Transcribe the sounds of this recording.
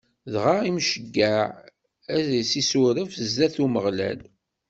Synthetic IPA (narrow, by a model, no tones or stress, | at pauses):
ðʁaimʃəɡːæʕ | æzsisʊɾəfzðæθuməʁlæ̰l